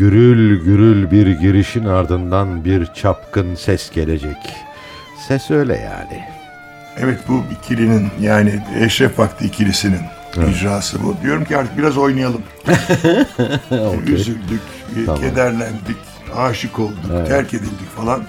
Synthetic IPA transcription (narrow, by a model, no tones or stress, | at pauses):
ɟyɾylʲɟyɾylʲbiɾɟiɾiʃinaɾd̪ɯnd̪anbiɾt͡ʃʰapkʰɯnsɛsɟe̞lʲed͡ʒɛc | sɛsø̞ːjlʲɛ̰ja̰ːnɪ̰ | ɛvɛt̪buicʰilininjaːniɛʃɾɛfvakt̪ʰˠɯicʰiɾisinin | id͡ʒɾaːsɯbud̪ijo̞ɾumcʰiaɾt̪ʰɯ̥k̚biɾazo̞jnajalˠɯm | oyzylʲd̪yc̪ʰ | amed̪æɾlʲænd̪ic | aːʃɯkʰo̞lˠd̪ut̪ʰæɾcʰe̞d̪ilʲd̪icfalˠan